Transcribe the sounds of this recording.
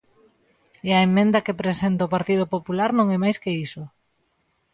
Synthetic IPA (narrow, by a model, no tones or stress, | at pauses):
eɐemːẽnd̪ɐkepɾesent̪aopaɾt̪ið̞opopulaɾnõŋɛmajskeiso